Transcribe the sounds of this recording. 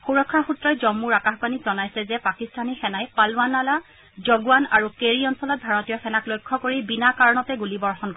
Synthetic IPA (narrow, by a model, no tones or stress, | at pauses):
xuɹɔkʰːaxutɹɔjzɔmːuɹakaxbanizɔnajsɛzɛpakistʰanixɛnajpalanala | zɔɡuwana̰ɹukeɹiɔnsɔlɔt̚bʱaɹɔtijɔxɛnaklojkʰːɔkoɹibinakaɹnɔtɛɡulibɔɹxɔnk